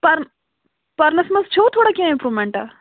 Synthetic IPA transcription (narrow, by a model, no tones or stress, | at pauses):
pɐɾn | pɐɾnɐsmɐzt͡ɕʰowt̪ʰoɽakiãĩmpɾumeɳʈa̰